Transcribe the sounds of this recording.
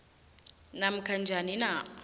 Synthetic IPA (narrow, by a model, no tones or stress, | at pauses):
nam̩kʰand͡ʒʱanina